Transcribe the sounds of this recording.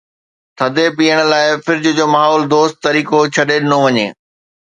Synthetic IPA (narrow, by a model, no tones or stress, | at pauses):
t̪ʰɐd̪ʱepiːəɽ̃ʊlaːɪfɪɾɪd͡ʑʊ̆d͡ʑoːmaːɦɔːld̪oːst̪t̪ːɐɾiːkot͡ɕʰɐɗeɗɪnoʋɐɲḛː